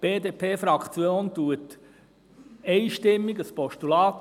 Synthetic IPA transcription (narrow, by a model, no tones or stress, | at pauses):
b̥eːd̪eːpʰeːfɾɑkʰt͡sjoːnt̪uət | ɛɪʃtɪmːiɡəspɔʃtulɑːt